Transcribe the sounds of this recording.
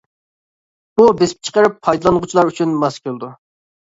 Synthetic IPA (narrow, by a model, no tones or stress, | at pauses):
ubesɪ̥p̚t͡ʃʰə̥qəɾɨpʰːɑjd̪ɨlˠɑnʁʊt͡ʃʰilˠɑɾyt͡ʃʰynmɑskʲulˠd̪u